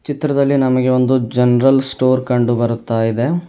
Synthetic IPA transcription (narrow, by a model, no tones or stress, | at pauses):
t͡ʃit̪ɾɐd̪ɐlːinɐmɐɡe̞o̞nd̪ud͡ʒɐnɾɐlsʈoːɾkɐɳɖubɐɾut̪ːaːjid̪e̞